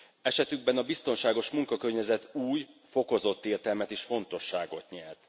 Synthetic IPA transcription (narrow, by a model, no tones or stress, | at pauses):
ɛʃɛt̪yɡ̚bɛnɒbist̪o̞nʃaːɡo̞ʃmuŋkɒkørɲɛzɛt̪uːjfo̞ko̞zo̞t̪ːeːrt̪ɛlmɛt̪iːʃfo̞n̪t̪o̞ʃːaːɡo̞t̪ɲɛlt̪